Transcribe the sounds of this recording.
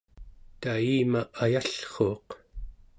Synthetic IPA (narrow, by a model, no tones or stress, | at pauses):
t̪aiːmaʔajaɬχo̞ːq